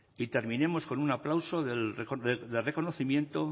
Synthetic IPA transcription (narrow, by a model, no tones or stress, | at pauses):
it̪e̞ɾmĩne̞mo̞sko̞nunaplawso̞ðelekoðeðelre̞ko̞noθimjẽ̞nt̪o̞